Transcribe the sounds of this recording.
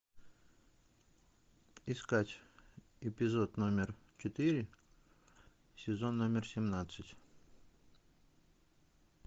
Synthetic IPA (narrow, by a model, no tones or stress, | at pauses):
ɪskatʲ | ɪpʲɪzo̞t̪no̞mʲɪrt͡ɕɪt̪ɨɾʲɪ | sʲɪzo̞nːomʲɪrsʲɪmnat̪sɨtʲ